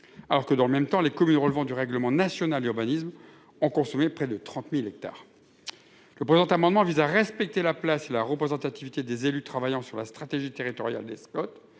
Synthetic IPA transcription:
alɔʁkəd̪ɑ̃ləmɛmt̪ɑ̃lekɔmynʁəlvɑ̃d̪yʁɛɡləmɑ̃nasjɔnald̪yʁbanism | ɔ̃kɔ̃sɔmepχɛd̪ət̪χɑ̃t̪milɛk̚t̪a̰ːʁ | ləpχezɑ̃t̪amɑ̃d̪mɑ̃vizaʁɛspɛk̚t̪elaplaselaʁəpχezɑ̃t̪at̪ivit̪ed̪ezelyt̪χavajɑ̃syʁlast̪χat̪eʒit̪eʁit̪ɔʁja̰ld̪eskɔt̪

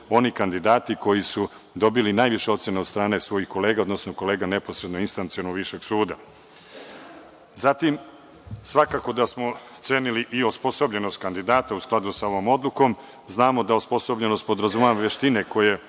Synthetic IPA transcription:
o̞nikand̪id̪aːt̪iko̞jisu | d̪o̞bilinaːjʋiʃeo̞t̪sjenad̪st̪ɾaːne̞sʋo̞jixko̞le̞ːɡao̞d̪nosnoko̞le̞ːɡane̞po̞sɾed̪noinst̪ant̪sionoɡʋiʃe̞ɡsuːd̪a̰ | zat̪im | sʋakaːko̞d̪asmo̞ | t̪se̞ːniliʔio̞spo̞so̞bʎe̞nost̪̚kand̪id̪aːt̪ausklˠad̪usao̞ʋo̞ːmo̞d̪luko̞m | znaːmo̞d̪aospo̞so̞bʎe̞no̞st̪̚pod̪ɾazumaaʋe̞ʃt̪ine̞kʰo̞je̞

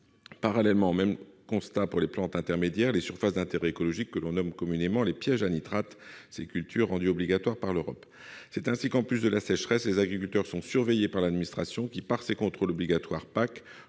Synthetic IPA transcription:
paʁalɛlmɑ̃omɛmkɔ̃st̪apuʁleplɑ̃t̪ɛ̃t̪ɛʁmed̪jɛʁlesyʁfasd̪ɛ̃t̪eʁɛekɔlɔʒikːəlɔ̃nɔmkɔmynemɑ̃lepjɛʒanit̪ʁat̪sekʲylt̪ʰyʁːɑ̃d̪yɔbliɡat̪waʁpaʁløʁɔ̰p | sɛt̪ɛ̃sikɑ̃plys̬d̪əlasɛʃχɛslezaɡʁikylt̪œʁsɔ̃syʁvejepaʁlad̪minist̪χasjɔ̃kʲipaʁsekɔ̃t̪χolɔbliɡat̪waʁpak

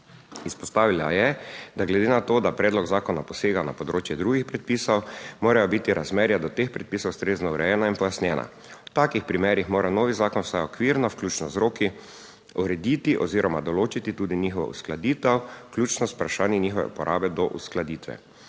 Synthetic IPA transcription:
ispɔst̪aːʋila̰jɛd̪aɡlɛd̪eːnat̪oːd̪apɾɛːd̪lɔɡzaːkɔnapɔseːɡana̰pɔd̪ɾoːt͡ʃjɛd̪ɾuːɡixpɾɛt̪̚piːsɔwmoːɾajɔbit̪iɾazmɛːɾjad̪ɔt̪expɾɛt̪piːsɔwst̪ɾeːznɔuɾɛjɛːnainpɔjasnʲjɛːnʔa̰ | wt̪aːkixpɾimɛːɾixmoːɾanoːʋizaːkɔnwsajɔkʋiɾnawklʲjuːt͡ʃnɔzɾoːki | uɾɛd̪iːt̪iʔɔziːɾɔmad̪ɔloːt͡ʃit̪it̪uːd̪iniːxɔʋa̰ṵsklad̪iːt̪ɛwklʲjuːt͡ʃnɔspɾaʃaːnjɛniːxɔʋɛ̰ṵpɔɾʔaːbɛd̪ɔʔṵsklad̪iːt̪ʋɛ̰

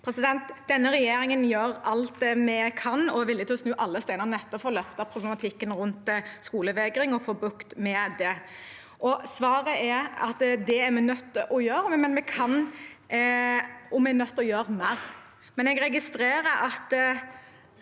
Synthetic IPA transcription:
pʰɾɛsɪd̪ɛnt̪d̪ɛnːəɾɛjeːɾɪŋənjøːɾɑlt̪mɛkʰɑnɔʋɪlːɪət̪ʰɪlɔsnʉːʔɑlːəst̪æɪnəʁnɛt̪ːɔfɔɾlœft̪ɑpʰɾʊblɛmɑt̪ʰɪkːənɾʉnt̪skuːləʋɛɡɾɪŋɔfoːbʉkt̪mɛd̪ɛ | ʔɔsʋɑːɾəɛɑ̰t̪d̪ɛɛmɛnœt̪ːəʔɔjøːɾmɛnmɛkʰɑn | ʔɔmɛnœt̪ːɔjøːɾmæɾ | mɛnɛɡɾɛɡɪst̪ɾeːɾəʔɑt̪

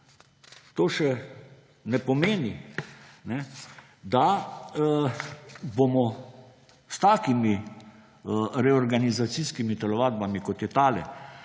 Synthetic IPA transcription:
t̪oːʃɛ | nɛpɔmeːni | nɛ | d̪a | bomɔ | st̪aːkimi | ɾɛɔɾɡanizat̪siskimit̪ɛlɔʋaːd̪̚bamikɔt̪jɛt̪aːlɛ̰

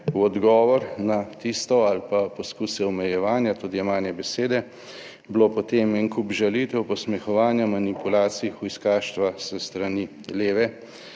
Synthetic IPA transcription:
wɔd̪ɡɔːʋɔɾnat̪ist̪ɔalpapɔskusɛɔmɛjɛʋaːnjat̪uːd̪iɛmaːnjɛbɛseːd̪ɛ | bloːpɔt̪eːmɛnkupʒalit̪ɛwpɔsmɛxɔʋaːnjamanipulaːt̪siixujiskaːʃt̪ʋasəst̪ɾani | leːʋɛ

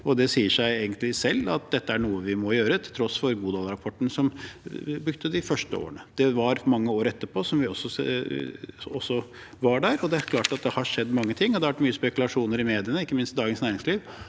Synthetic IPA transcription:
ɔd̪ɛsiːəʂæɪeːɡənt̪lɪsɛlːɑ̰t̪̚d̪ɛt̪ːəæɳuːəʋɪmɔjøːɾət̪ʰɪlt̪ʰɾɔsfɔɾɡuːd̪ɑːlɾɑpʰɔʈːn̩sɔmbɾʉkt̪əd̪ɪfœʂʈəo̰ːɾəɳəd̪̥ɛʋɑɾmɑŋːəoːɾɛt̪ːəpʰoːsɔmʋɪɔsːɔ | ɔsːɔ | ʋɑɖæːɾɔd̪ɛæɾkʰlɑːʈɑt̪̚d̪ɛhɑʂɛd̪ːmɑŋːət̪ʰɪŋːɔd̪ɛʋæʈmyːəspɛkʉlɑʂuːnəɾɪmeːd̪ɪənəɪkːəmɪnst̪d̪ɑːɡənsnæːɾɪŋsliːʋ

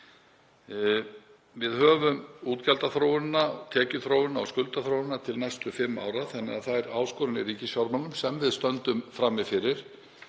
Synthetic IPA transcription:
vɪðhœːvʏmuːt̪calt̪aθɾowʏnːaɔɣt̪ʰɛːcʏθɾowɪnːaɔ̰skʏlt̪aθɾowɪnːat̪ʰɪlnɛjst̪ʏfɪmːa̰ːwɾaθɛnːɪɣaðθaɛɾaːwskoːɾʏnɪɾiːcɪsjawɾmaŋʏmsɛmvɪðst̪œnt̪ʏmfɾamːɪfɪɾɪɾ̥

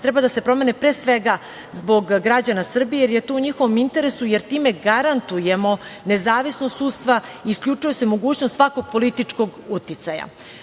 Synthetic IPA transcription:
t̪ɾɛbad̪ase̞pɾo̞me̞nepɾesʋeɡa | zbo̞ɡːɾad͡ʑanasr̩bijejeɾjet̪oːuɲixoʋo̞mint̪e̞ɾesujeɾt̪iːmeɡaɾant̪ujemo̞nezaːʋisnost̪suːt̪st̪ʋaiːskʎʲut͡ʂujese̞moɡuːt͡ɕnost̪sako̞ɡ̚po̞lit̪it͡ʂko̞ɡut̪it̪saja̰

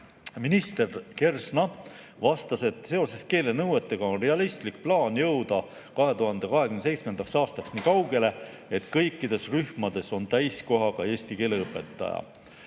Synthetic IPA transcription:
minist̪e̞rke̞rsnɑ | vɑst̪ɑse̞t̪se̞o̞se̞ske̞ːle̞nɤwe̞t̪ːˑeɡ̥ɑo̞nre̞ɑlist̪lik̚plɑːnjɤwd̪̥ɑ | kɑɦe̞t̪uɦɑnd̪̥e̞kɑɦe̞kynese̞jt̪sme̞nd̪ɑksɑːst̪ɑksniːkɑwɡe̞le̞ | et̪kɤjkˑːid̪̥e̞sryhmɑd̪̥e̞so̞nt̪æjsko̞ɦɑɡ̥ɑe̞ːsʲt̪ike̞ːle̞ɤpːˑe̞t̪ˑːɑ̰jɑ̰

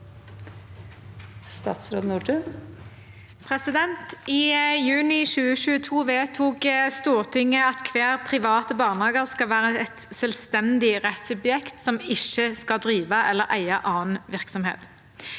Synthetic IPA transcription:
st̪ɑ̰ːt̪sɾoːd̪nuːɖʉn | pʰʁɛsɪd̪ɛnt̪ɪːjʉːnɪʃʉːəʃʉːət̪ʰuːʋeːt̪ʰuːkst̪uːʁt̪ʰɪŋːəɑt̪kʰʋeːʁpʰʁɪʋɑːt̪əbɑːʁnhɑːɡəʁskɑʋæːʁəɛt̪sɛlst̪ɛnd̪ɪʁɛt̪sʉbjɛkt̪sɔmɪʃəskɑld̪ʁiːʋɑʔɛlːəʁʔæ̰ɪɑʔɑːnʋɪʁksɔmhḛːt̪

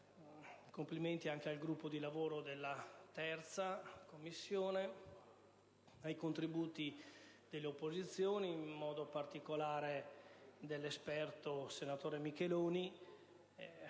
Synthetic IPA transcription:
kompliment̪iaŋk̟ealɡɾupːod̪ilavoːɾod̪elːat̪ɛrt̪sakomːisːjoːne | ajkont̪ɾibuːt̪i | d̪̥elːeopːozit̪sːjoːniːmːɔːd̪opart̪ikolaːɾed̪elːespɛrt̪osenat̪oːɾemikeloːni

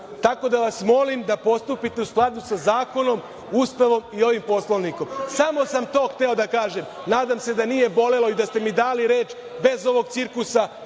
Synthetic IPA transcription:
t̪ako̞d̪aʋasmo̞limd̪apo̞st̪upit̪e̞usklˠad̪usazaːko̞no̞m | uːst̪aʋo̞mio̞ʋimpo̞slˠo̞ʋniko̞msamo̞samt̪o̞ːxt̪e̞o̞d̪akaːʒe̞m | naːd̪amse̞d̪anije̞bo̞le̞lo̞id̪ast̪e̞mid̪aːliɾeːt͡ʃ | be̞zo̞ʋo̞ɡ̚t̪siɾklusa

